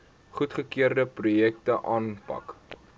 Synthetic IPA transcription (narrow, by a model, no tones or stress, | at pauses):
χutχəkiərdəprujɛktəʔɑːnpɐ̰k